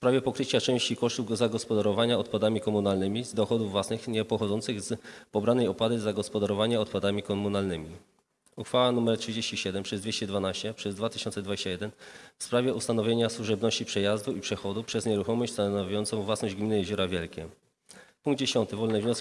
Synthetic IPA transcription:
fsspɾavʲɛpɔkɾɘt͡ɕat͡ʂɛ̃w̃ɕt͡ɕikɔʂt̪uvɡɔzaɡɔspɔd̪aɾɔvaɲaɔt̪pad̪amʲikɔmunalnɘmʲizd̪ɔxɔd̪uvːwasnɘxɲɛpɔxɔd̪zɔnt̪sɘɣzpɔbɾanɛjɔpwad̪ɘzaɡɔspɔd̪aɾɔvaɲaɔt̪pad̪amʲikɔmunalnɘmʲi | uxfawanumɛɾtʂɘd͡ʑeɕt͡ɕiɕɛd̪ɛmpʂɛzd̪vʲeɕt͡ɕɛd̪vanaɕt͡ɕɛpʂɛzd̪vat̪ɘ̥ʃɕɔnt̪sɛd̪vad͡ʑeɕt͡ɕajɛd̪ɛnfspɾavʲjɛust̪anɔvʲjeɲaswuʐɛbnɔɕt͡ɕipʂɛjazd̪uipʂɛxɔd̪upʂɛzɲɛɾuxɔmɔɕt͡ɕst̪anɔvʲjɔnt̪sɔ̃w̃vwasnɔʑd͡ʑɡmʲinɘjɛʑuɾavʲjɛlkʲɛ | puŋɡd̪̚d͡ʑeɕɔnt̪ɘvɔlnɛvɲɔs

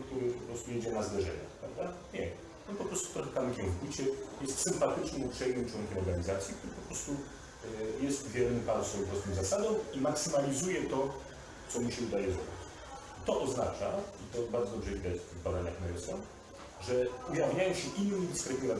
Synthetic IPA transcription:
k̚t̪uɾɘpɔpɾɔst̪ujɛd͡ʑɛnazd̪ɛʐɛ̰ɲa̰xpɾavd̪aɲɛ | ɔnpɔpɾɔst̪u̥t̪ɾɔxɛt̪amkʲɛ̃put͡ɕɛjɛst̪sɘmpat̪ɘt͡ʂnɨmupʂɛjnɨmt͡ʂwɔŋkʲɛmɔɾɡaɲizat̪sʲjikt̪uɾɘpɔpɾɔst̪u | jɛst̪vʲjɛɾnɘpalsfɔjɔ̃pɾɔst̪ɔwzasad̪ɔ̃w̃imaksɘmalʲizujɛt̪ɔ | sɔmiɕɛud̪ajɛzɾɔ̰bʲiit͡ɕ | t̪ɔʔɔznat͡ʂait̪ɔbaɾd̪ɔd̪ɔbʐɛvʲid̪ajɛt̪ft̪ɪɣbad̪aɲaxnaɾɛsjɔ | ʐɛujavɲajɔw̃ɕɛʔinːd̪iskɾɛt̪nʲiɾa

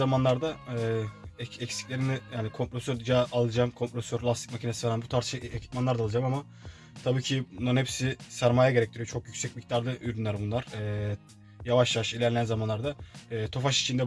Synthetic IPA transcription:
zamanlˠaɾd̪aɛːɛɛcsi̥clʲe̞ɾinijaːnikʰo̞mpɾo̞søɾd̪ɯd͡ʒaalˠɯd͡ʒamkʰo̞mpɾo̞søɾlʲˠast̪ʰi̥cmacʰinesivaɾanbut̪ʰaɾt̪ʃɯecʰi̥t̪̚manˠaɾd̪alˠɯd͡ʒamama | t̪ʰabiːcʰibunˠaɾnhepsisæɾmaːjaɟeɾɛct̪ʰeɾijot͡ʃʰo̞kjycsɛc̚mict̪ʰaɾd̪ˠɯʔyɾynlʲæɾbunlˠaɾ̥ɛː | javaʃjavaʃilʲæɾlʲænzamanlˠaɾd̪aːt̪ʰo̞faʃi̥t͡ʃʰind̪ɛ

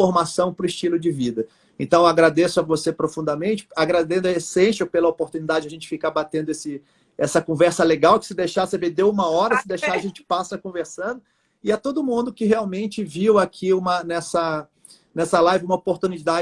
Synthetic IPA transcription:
oɾmasɐ̃w̃pɾʊɪʃt͡ʃilʊd͡ʒɪvid̪ɐ | ẽnt̪ɐ̃w̃aɡɾad̪esʊɐvosepɾofũnd̪ɐmẽnt͡ʃɪ̥aɡɾad̪ẽnd̪ʊɐesẽsɐpelɐopoɾt̪unid̪ad͡ʒɪd͡ʒɐaʒẽt͡ʃɪ̥fikaɾbat̪ẽnd̪ʊesɪ | ɛsɐkõvɛɾsɐleɡawkɪ̥sɪd̪ejʃasebed̪ewũmɐɔɾɐsɪd̪ejʃaaʒẽnt͡ʃɪ̥pasɐkõveɾsɐ̃nd̪ʊ | ɪat̪od̪ʊmũnd̪ʊkɪɦeawmẽnt͡ʃɪviwakʰiũmɐnɛsɐ | nɛsɐlajvɪũmɐopoɾt̪ũnid̪a

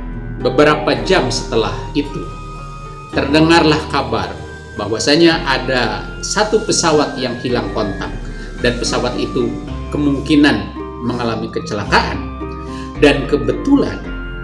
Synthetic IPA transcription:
bəbəɾapad͡ʒamsə̥t̪əlahit̪u | t̪ərdəŋarlahkaba̰r | baɦwasaɲaʔada | sat̪upəsawat̪̚jaŋhilaŋkont̪a̰k̚ | danpəsawat̪it̪ukəmuŋkinan | məŋalamikət͡ʃəlakaʔa̰n | dankəbət̪ula̰n

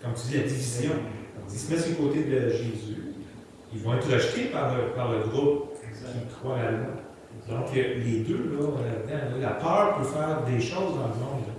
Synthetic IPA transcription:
kɔmt̪yd̪ilad̪ivizjɔ̃ɔ̃d̪ismɛt̪sykot̪ed̪əʒezy | ilvɔ̃ɛt̪ʁaʃt̪epaʁləpaʁləɡʁʊpkʲikʁwaalwa | d̪ɔ̃kəled̪ølɔɔ̃lad̪ãlɔlapœːʁpøfɛːʁd̪eʃɔwzd̪ɑ̃ləmɔ̃d̪ʁ

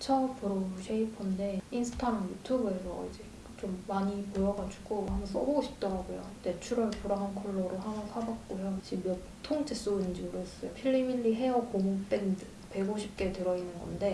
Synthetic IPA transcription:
t͡ɕʰʌpʰɯɾoɕʰeipʰʌnde̞insʰɯ̥tʰaamjutʰubɯe̞sʰʌ̰ḭd͡ʑe̞ | t͡ɕ͈omːaɲipojʌɡad͡ʑuɡohamʌns͈ʌboɡoɕʰi̥p̚t͈ʌɾaɡojo̰t͈e̞t͡ɕʰuɾʌɭpuɾaɦankʰʌɭːʌɾɯɦamʌsʰaɡak͈ojoɕ͈ʰijʌ | tʰoŋd͡ʑʰes͈oɯnd͡ʑiɯɾoʌs͈ʌjopʰiʎːimiʎːiɦe̞ʌkomuŋt͈endɯ | pe̞ɡoɕʰip̚k͈e̞tɯɾʌinːɯnɡʌ̰nde̞

